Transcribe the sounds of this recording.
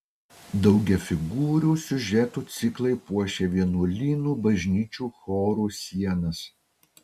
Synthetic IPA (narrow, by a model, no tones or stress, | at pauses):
d̪ɐʊɡʲɛfʲɪɡuːɾʲuːsʲʊʒʲɛt̪uːt̪sʲɪklˠɐɪpuɔʃʲeːʋʲiɛnuɔlʲiːnuːbɐʒʲnʲiːt͡ʃʲuːxɔːɾuːsʲiɛnɐs